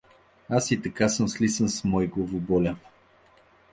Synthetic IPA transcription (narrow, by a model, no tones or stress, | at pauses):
asit̪ɐkasəmslisənsmɔjɡlovʊbɔlʲa